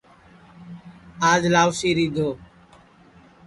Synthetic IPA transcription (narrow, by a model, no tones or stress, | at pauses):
aːd͡ʒlaːʋsiːɾiːd̪ʱoː